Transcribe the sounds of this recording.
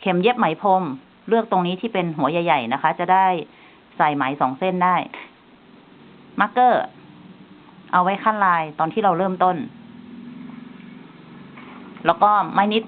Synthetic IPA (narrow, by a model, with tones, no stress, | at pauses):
kʰe˧˩˦mje˦˥p̚ma˨˩˦jpʰo˧m | lɯ˥˩ək̚t̪o˧ŋniː˦˥t̪ʰiː˥˩pe˧nɦu˨˩˦ɐja˧jːa˨˩jna˦˥kʰa˦˥t͡ɕa˨˩daː˥˩j | sa˨˩jma˨˩˦jsɔː˨˩˦ŋse˥˩˨ndaː˥˩j | ma˧˦˥kːɤː˧˥˩ | ʔa˧wa˦˥jkʰa˥˩˨nlaː˧jt̪ɔː˧nʰiː˥˩ɾa˧wlɤː˥˩mt̪o˥˩n | lɛː˦˥˩wkɔː˥˩maː˧˥jni˦˥t̪̚